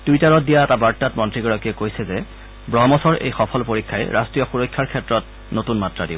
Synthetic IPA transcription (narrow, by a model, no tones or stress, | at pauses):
d̥ujtaɹɔt̚dijaɛtabaɹtːatmɔntɹiɡɔɹɔkiɛkojsɛzɛ | bɹɔɦmɔsɔɹḛjxɔpʰɔlpoɹikʰːajɛ̰ɹʔastɹijɔxuɹɔjkʰːaɹkʰɛtɹɔt̚ | notunmatɹadib